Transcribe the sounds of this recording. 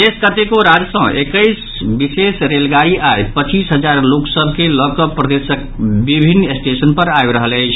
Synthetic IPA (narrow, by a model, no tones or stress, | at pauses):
eskət̪ekoɾad͡ʒsə̃ʔekəɪs | bisesɾelɡaɾiʔajpət͡ʃisɦəd͡ʒaɾloksəbʱkelɔkəpɾəd̪esək̚ | bibʱinːesʈesənpəɾajbɾəɦələɪt͡ʃʰ